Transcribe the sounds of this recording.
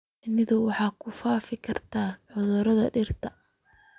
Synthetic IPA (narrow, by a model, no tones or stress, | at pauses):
nɪðɔwɑħɑːkʰʊfaːfɪkʰɐrt̪ʰaːʕʊðʊɾɐðɐɖɪrt̪ʰɐ